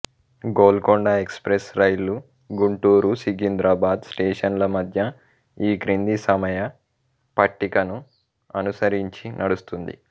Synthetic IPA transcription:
ɡoːlkoɳɖɐekspɾesɾɐjlu | ɡuɳʈuːɾusiɡind̪ɾaːbaːd̪sʈeːʂɐnlɐmɐd̪ʱjɐ | iːɡɾind̪isɐmɐjɐ | pɐʈːikɐnu | ɐnusɐɾiɲt͡ʃinʔɐɽust̪und̪ḭ

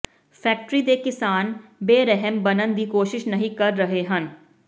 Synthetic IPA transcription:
fʰɛːk̚ʈɾid̪eːkɪsaːnbeːɾɛɦɛmbɐnə̃nd̪iːkoːʃɪʃnɐɦĩkɐɾːɐɦeɦɐ̃n

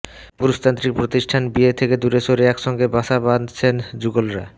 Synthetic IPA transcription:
puɾust̪ant̪ɾik̚pɾot̪iʃʈʰanbiet̪ʰeked̪uɾeʃoɾeɛkʃɔŋɡebaʃaband̪t͡ɕʰend͡ʑuɡolɾa̰

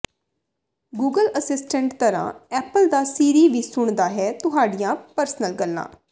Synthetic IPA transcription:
ɡuːɡələsɪsʈə̃ɳʈt̪əɾã̰ːɛːpəld̪aːsiːɾiːʋiːsʊɳd̪aːɦɛːt̪ʊɦaːɖɪjãːpəɾsnəlɡəlːã̰ː

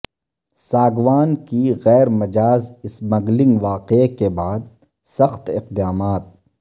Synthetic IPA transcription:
saːɡʋaːnkiɣɛːɾmɐd͡ʒaːzɪsmɐɡlɪ̃ŋɡʋaːqekebaːd̪̚ | sɐxt̪ɪqd̪aːmaːt̪̚

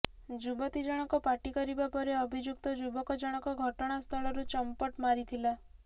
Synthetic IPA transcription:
d͡ʒubɔt̪id͡ʒaɽ̃ɔkɔpaʈikɔɾibapɔɾeɔbʱid͡ʒjukt̪ɔd͡ʒubɔkɔd͡ʒaɽ̃ɔkɔɡʱɔʈɔɽ̃ast̪ʰɔɭɔɾut͡ʃɔmpɔʈmaɾit̪ʰila

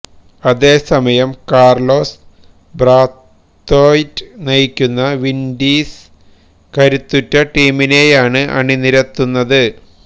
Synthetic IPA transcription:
ɐðe̞ːsɐmɐjɐmkaːrlo̞ːs | braːt̪ː | oːjtːɨnɐjikʲːunːɐʋinɖiːs | kɐɾut̪ːutːɐʈiːmineːjaːɳɨʔɐ̰ɳiniɾɐt̪ːunːɐðɨ

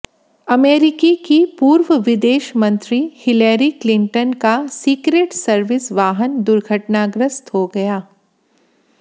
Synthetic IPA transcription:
ɐmeːɾɪkikipuːɾʋəʋɪd̪eːʃmɐ̃nt̪ɾihɪleːɾiklɪ̃ɳʈənkasiːkɾeːʈsɐɾʋɪsʋaːɦənd̪ʊɾɡʱəʈnaːɡɾəst̪ɦoɡɐjaː

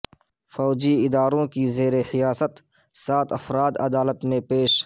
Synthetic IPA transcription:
fɔːd͡ʒiɪd̪aːɾõkizeːɾehɪjaːsət̪ | saːt̪ɐfɾaːd̪ɐ̰d̪aːlət̪mẽpeːʃ

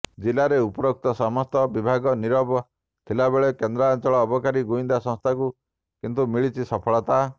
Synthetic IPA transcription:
d͡ʒilaɾeupɔɾok̚t̪ɔsɔmɔst̪ɔbibʱaɡɔniɾɔbɔ | t̪ʰilabeɭɔkend̪ɾaant͡ʃɔɭɔːbɔkaɾiɡuind̪asɔ̃ŋst̪ʰaku | kint̪umiɭit͡ʃʰisɔpʰɔɭɔt̪a

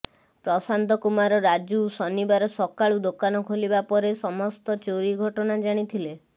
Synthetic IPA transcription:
pɾɔsant̪ɔkumaɾɔɾad͡ʒusɔnibaɾɔsɔkaɭud̪okanɔkʰolibapɔɾesɔmɔst̪ɔt͡ʃoɾiɡʱɔʈɔnad͡ʒaɽ̃it̪ʰile

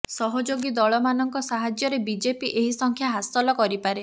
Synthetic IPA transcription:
sɔɦɔd͡ʒoɡid̪ɔɭɔmanɔŋkɔsaɦad͡ʒjɔɾebid͡ʒepiʔeɦisɔŋkʰjaɦast̪ɔlɔkɔɾipaɾe

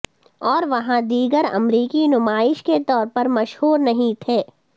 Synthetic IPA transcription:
ɔːɾʋɐɦãd̪iːɡəɾɐ̰mɾiːkinʊmaːɪʃket̪ɔːɾpɐɾmɐʃhuːɾnɐɦĩt̪ʰeː

